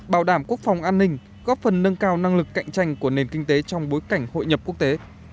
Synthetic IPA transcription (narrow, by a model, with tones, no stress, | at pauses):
ɓaː˧˩wɗaː˧˩mku˦˥ək̚fɔ˨˩wŋ͡mʔaː˧nːï˧ŋ̟ | ɣɔ˦˥p̚fə˨˩nːə˧nkaː˧wna˧ŋlɨ˨˩kːa̰˧˨jŋ̟t͡ɕa˧jŋ̟ku˧˩əne˨˩nkï˧ŋ̟t̪e˨˦t͡ɕɔ˧wŋ͡mɓo˨˦jka˧˩jŋ̟ho̰˧˨jɲə˨˩p̚ku˦˥ək̚t̪e˨˦